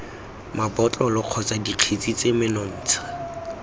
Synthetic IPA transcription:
mabɔtɔlɔq͡χʰɔt͡sadiq͡χʰet͡sʼit͡sʼemɪnɔn̩ːt͡sʰḁ

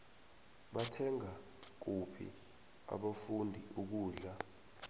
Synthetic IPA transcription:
ɓatʰɛŋa | k̬upʰḭ | a̰ɓafundʱiuk̬uːɮa

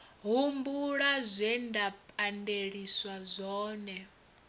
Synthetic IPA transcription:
ɦumbuɺazʷɛndapʼandeɺiswazʷɔːnɛ

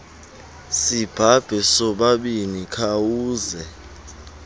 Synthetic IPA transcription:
sib̥ʱab̥ʱɛsɔɓaɓinikʰawuːzɛ

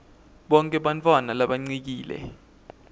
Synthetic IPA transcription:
ɓɔŋkʼɛɓant͡fʰʼwanalaɓaŋ͡ǀik̬iːlɛ̰

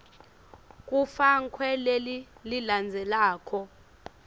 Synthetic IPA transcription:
k̬ʼufaŋkʰwɛlelililand͡zʱɛlaːkʰɔ

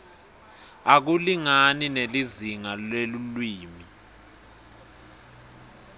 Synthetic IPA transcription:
ak̬uliŋanineliziŋalelulwiːmi

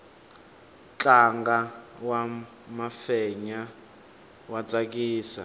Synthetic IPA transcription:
t͡ɬʼaŋɡawa | mafɛɲa | wat͡sʼak̬ʼiːsa̰

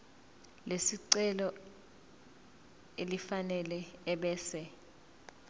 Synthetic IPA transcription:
lesiǀɛlɔ | elifanɛlɛːɓɛːsɛ

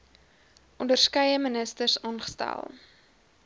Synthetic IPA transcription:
ʔɔndərskɐjəmənəstərsɑːnχə̥stæ̰lˠ

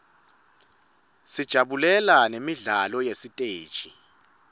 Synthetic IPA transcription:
sid̥ʒ̥ʱaɓulɛlanemiɮalɔjesitʼeːd̥ʒ̥ʱi

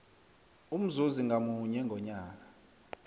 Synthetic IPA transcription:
um̩zuziŋɡʱamuɲɛŋɡʱɔɲaːk̬ḁ

